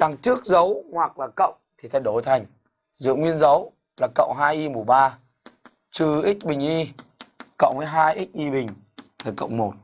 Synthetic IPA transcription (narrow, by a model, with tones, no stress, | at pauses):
ɗa˨˩ŋt͡ɕɨ˦˥ək̚zə˨˦whwa˨˩k̚laː˨˩kə̰˧˨wŋ͡mt̪ʰi˨˩t̪ʰə˨˧˩jɗo˧˩jt̪ʰa˨˩jŋ̟ | zɨ̰˧˨ŋwi˧ənzə˨˦w | laː˨˩kə̰˧˨wŋ͡mɦaː˧jʔi˧mu˨˩ɓaː˧ | t͡ɕɨ˧˩ʔi˦˥k̟̚ɓï˨˩ŋ̟ʔi˧ | kə̰˧˨wmaː˨˦jɦaː˧jʔi˦˥k̚ʔi˧ɓï˨˩ŋ̟ | t̪ʰa˨˩jkə̰˧˨wŋ͡mmo˨˩t̚